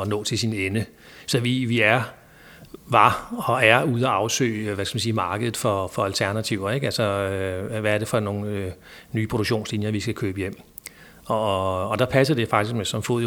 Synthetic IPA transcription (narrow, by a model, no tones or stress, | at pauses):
ɒnɔ̰ːt͡sʰe̝lsinenə | sɒ̽ʋiʋiæɐ | ʋɑ̈ɒ̽æɐuð̞ˠæɑ̈ʊsø̰ːɪʋæskʰæmænsiːmɑ̈ːɡ̥əð̩ˠfɒfɒ̽ælt͡sʰæɐnæt͡sʰiʊ̰ɐeɡ̥ælsɒøʋæɐɾ̥e̝fɒ̽no̝ːn̩nyːpʰʁo̝d̥uɡ̥̚ɕo̝̰ːnslinjɐʋisɡ̥ækʰøːb̥əjem̰ | ɒːd̥ɑ̈pʰæsɐd̥e̝fɑ̈ɡ̥d̥isɡ̥mesɒ̽mfoð̰ˠ